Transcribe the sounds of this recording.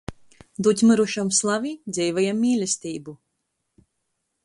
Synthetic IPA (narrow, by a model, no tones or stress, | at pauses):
d̪ut̪ʲmɨɾuʃamslˠavid̪zʲɛjvajamːiːlʲɛsʲt̪ʲiːbu